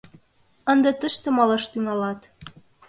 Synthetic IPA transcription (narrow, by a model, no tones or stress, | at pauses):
ə̆nd̪ɤ̆t̪ə̆ʃt̪ĕmɑlɤʃt̪yŋɑlɑt̪